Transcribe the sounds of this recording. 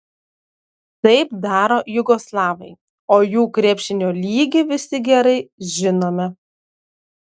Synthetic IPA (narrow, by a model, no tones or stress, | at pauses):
t̪ɐɪpd̪ɑːɾoːjʊɡoːslˠɑːʋɐɪ | oːjuːkɾʲeɛpʲʃʲɪnʲoːlʲiːɡʲɪʋʲɪsʲɪɡʲɛɾɐɪʒʲɪnoːmʲɛ